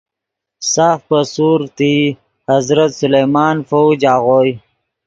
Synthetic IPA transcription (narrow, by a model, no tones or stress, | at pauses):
saːfpəsuːɾt̪i | hɐzɾət̪sʊlejmaːnfowd͡ʒaːɣoːj